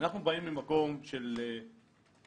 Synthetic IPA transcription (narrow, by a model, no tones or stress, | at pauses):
naχnubaimːimako̞mʃe̞le